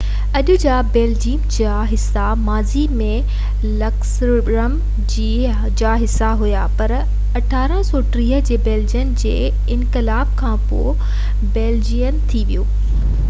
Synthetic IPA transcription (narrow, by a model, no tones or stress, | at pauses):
ɐʄʊ̆d͡ʑaːbeːld͡ʑiːmd͡ʑa | ɦɪs | amaːzimẽ | lɐks | ɾəm | d͡ʑi | d͡ʑaːɦɪsːaɦʊjapɐɾ | ɐʈʰaːɾə̃sɔːʈɾiːɦəd͡ʑeːbeːld͡ʑijənɪ̆d͡ʑḛː | ɪnkɪlaːb̚kʰãːpo̰ː | beːld͡ʑijənt̪ʰiʋijoː